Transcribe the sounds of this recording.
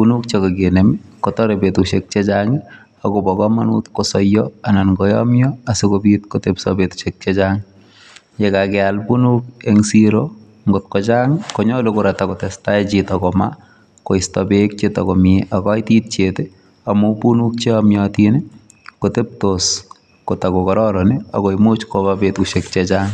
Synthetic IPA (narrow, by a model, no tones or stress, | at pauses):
punuk̚t͡ʃekokenemikotɔɾepetuʃek̚t͡ʃet͡ʃaŋi | akobɔkɔmanutkosɔjːɔanankɔjɔmjɔasikobitkotepsɔbetu̥ʃek̚t͡ʃet͡ʃaŋɪ | jekakɛalpunukeŋsiɾo | ŋɡot̚kɔt͡ʃaŋɪkoɲɔlukʊɾatakotɛstajt͡ʃitɔkɔma̰ | koɪstɔbek̚t͡ʃetɔkɔmeʔakɔjtiːt̚t͡ʃete | amupunuk̚t͡ʃeamjɔtinɪ | kotep̚tos | kotakokɔɾɔɾɔnia̰kɔjmot͡ʃkobabetuʃek̚t͡ʃet͡ʃaːŋ